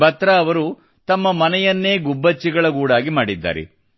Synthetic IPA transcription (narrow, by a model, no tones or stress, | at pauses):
bɐt̪ɾɐɐʋɐɾu | t̪ɐmːɐmɐnɛjɐnːe̞ːɡubːɐt͡ʃːiɡɐɭɐɡuːɽaːɡimaːɽid̪ːa̰ːɾḛ